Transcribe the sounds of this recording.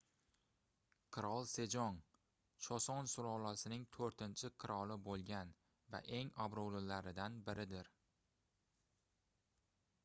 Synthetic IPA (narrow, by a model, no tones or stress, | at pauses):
qʰɨɾɒlˠse̞d͡ʒɒn | ʃʰɒsɒnsʊɾɒlˠasɪnɪŋt̪ʰoɾt̪ʰɪnt͡ʃʰɪqʰɨɾɒlˠɪbolˠɡʲan | va̰ʔe̞ŋabɾowlɪlaɾɪd̪anbɪɾɪd̪ɪɾ